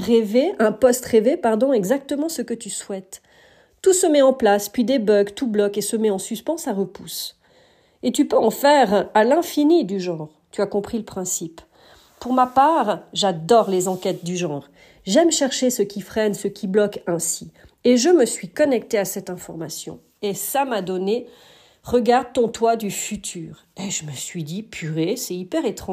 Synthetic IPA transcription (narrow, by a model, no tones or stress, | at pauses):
ʁeveɛ̃pɔst̪ʁevepaʁd̪ɔ̃ɛɡzak̚t̪əmɑ̃səkət̪yswɛt̪ː | usəmɛɑ̃plaspɥid̪ebœɡt̪ublɔkesəmɛɑ̃syspɑ̃saʁəpus | et̪ypøɑ̃fɛʁalɛ̃finid̪yʒɑ̃ʁ | t̪yakɔ̃pχiləpχɛ̃sip | puʁmapaʁʒad̪ɔʁlezɑ̃kʲɛt̪̚d̪yʒɑ̃ʁ | ʒɛmʃɛʁʃesəkʲifχɛnsəkʰʲiblɔkɛ̃si | eʒəməsɥikɔnɛk̚t̪easɛt̪ɛ̃fɔʁmasjɔ̰̃ | esamad̪ɔne | ʁəɡaʁd̪̚t̪ɔ̃t̪wad̪yfyt̪ʰyːʁeʒəməsɥid̪ipʰyʁesɛipɛʁet̪χɑ̃